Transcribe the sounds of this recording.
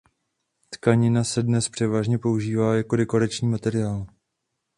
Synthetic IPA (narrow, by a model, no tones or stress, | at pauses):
t̪kaɲɪnasɛdnɛspr̥ɛvaːʒɲɛpo̞uʒiːvaːjako̞dɛko̞ɾat͡ʃɲiːmat̪ɛɾɪaːl